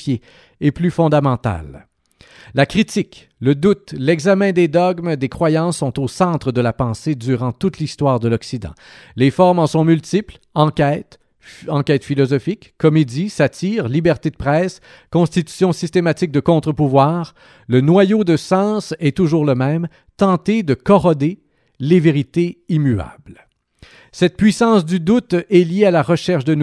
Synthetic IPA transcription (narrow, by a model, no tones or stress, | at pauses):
jeː | plyfɔ̃d̪amɑ̃t̪a̰l | lakʁit̪ik | ləd̪ut̪lɛɡzamɛ̃d̪ed̪ɔɡmd̪ekχwajɑ̃sːɔ̃t̪osɑ̃t̪χəd̪əlapɑ̃sed̪yʁɑ̃t̪ut̪list̪waːʁd̪əlɔksid̪ɑ̰̃ | lefɔʁmɑ̃sɔ̃mylt̪ipl | ɑ̃kɛːt̪ | ɑ̃kʲɛːt̪filɔzɔfikkːɔmed̪isat̪ʰiːʁlibɛʁt̪ed̪əpχɛːs | kɔ̃st̪it̪y̥sjɔ̃sist̪emat̪ik̚d̪əkɔ̃t̪χəpuvwaːʁ | lənwajod̪əsɑ̃sɛt̪uʒuːʁləmɛ̃m | t̪ɑ̃t̪ed̪əkɔʁɔd̪e | leveʁit̪eimya̰bl | sɛt̪̚pɥisɑ̃sd̪yd̪ut̪ɛljealaʁəʃɛʁʃd̪ən